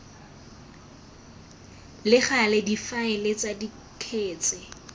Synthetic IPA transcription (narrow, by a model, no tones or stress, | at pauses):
lɪχalɪdifaɪlɪt͡sadi | kʰeːt͡sʼɪ